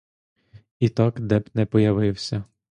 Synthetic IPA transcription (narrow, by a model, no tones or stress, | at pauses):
it̪ɑkd̪ɛbnɛpɔjɐʋɪwsʲɐ